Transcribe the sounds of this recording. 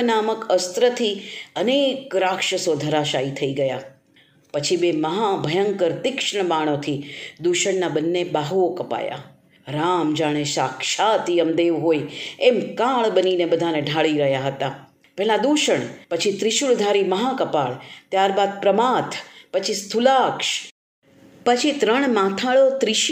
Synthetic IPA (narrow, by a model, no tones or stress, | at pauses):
naməkəst̪ɾət̪ʰiənekɾakʂəsod̪ʱəɾaʃait̪ʰəiɡəja | pət͡ʃʰibeməɦabʱəjəŋkəɾt̪ɪkʂɳəmaɽ̃ot̪ʰid̪uʃəɳnabənːebaɦuokəpa̰ja̰ | ɾamd͡ʒaɽ̃eʃakʃat̪ijəmd̪eʋɦojemkãɭbəninebəd̪ʱaneɖʱaɭiɾəɦjaɦət̪a | pɛɦlad̪uʃəɳ̃pət͡ʃʰit̪ɾɪʃuɭd̪ʱaɾiməɦakəpaɭt̪jaɾbad̪̚pɾəmat̪ʰpət͡ʃʰist̪ʰulakʃ | pət͡ʃʰit̪ɾəɳ̃mãt̪ʰaɭot̪ɾiʃ